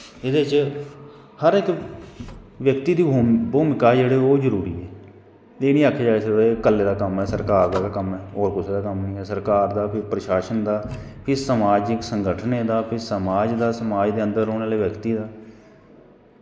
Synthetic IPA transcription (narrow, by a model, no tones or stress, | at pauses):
ɪd̪eːt͡ʃ | həɾɪk | ʋjəkt̪iːd̪iːbʱuːboːmɪkaːd͡ʒeːɽeːoːzəɾuːɾḭːɛː | eːnĩːakʰːeːd͡ʒaːesd̪ekəlːeːd̪aːkəmɛːsəɾkaːɾd̪aːkəmɛːoːɾkʊseːd̪aːkəmiːɛːsəɾkaːɾd̪aːpʰɪɾpɾəʃaːʃənd̪aː | pʰɪɾsəmaːd͡ʒɪksəŋɡəʈʰneːd̪aːpʰɪɾsəmaːd͡ʒd̪aːsəmaːd͡ʒd̪eːənd̪əɾoːneːleːʋjəkt̪iːd̪aː